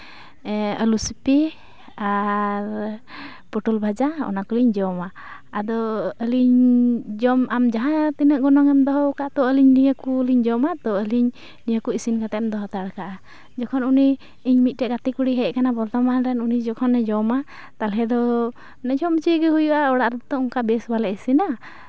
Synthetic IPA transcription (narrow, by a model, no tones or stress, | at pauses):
əlusipi | aɾ | pɔʈulbʱad͡ʒaɔ̰nakuliɲd͡ʒɔmaː | d̪ɔəliɲd͡ʒɔmamd͡ʒaɦãt̪inəʔɡɔnɔŋɛmd̪ɔɦɔkat̪ɔəliɲnijəkuliɲd͡ʒɔmat̪ɔəliɲ | nijəkuisinkat̪ɛmd̪ɔɦɔt̪aɽkaʔa | d͡ʒɔkʰɔnuni | iɲmit̪̚ˀʈɛʔɡat̪ikuɽiɦɛʔkanabɔɾt̪amanɾɛnunid͡ʒɔkʰɔnːɛd͡ʒɔma | t̪alɦɛd̪ɔ | nɛd͡ʒɔmt͡ʃiɡɛɦujuʔaɔɽaʔɾt̪ɔɔŋkabɛsbalɛʔisina